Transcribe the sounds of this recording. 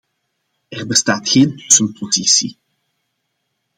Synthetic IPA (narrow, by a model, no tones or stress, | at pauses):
ɛrbəstaːtxeːntɵsənpʰozisḭ